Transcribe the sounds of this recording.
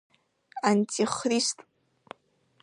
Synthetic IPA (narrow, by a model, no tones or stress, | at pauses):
antʰʼiχristʼ